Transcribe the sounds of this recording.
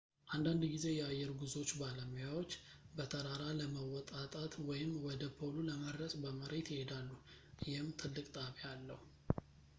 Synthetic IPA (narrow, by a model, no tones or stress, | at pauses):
ʔand̪and̪ɡize̞jɛajːɛɾɡuzo̞t͡ʃːbaləmujawo̞t͡ʃː | bət̪ʰəɾaɾaləməwɔt̪ʼat̪ʼat̪wɔjɪmwɔd̪əpʰo̞luləməd̪ɾəsʼbəməɾe̞t̪jɪhe̞d̪alːujɪhɪmt̪ʰɨlːɨkʼt̪ʼaβjalːəhu